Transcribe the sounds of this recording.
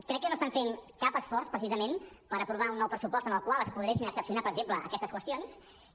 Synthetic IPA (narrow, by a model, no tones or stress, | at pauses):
kɾɛkːənoəst̪aɱfeŋkapəsfɔrspɾəsizəmenpəɾəpɾuβaunːɔwpɾəsupɔst̪ənəlˠkwalˠəspuðɾesinəksəpsiunapəɾəɡʒempləə̰kɛst̪əskwəst̪ijons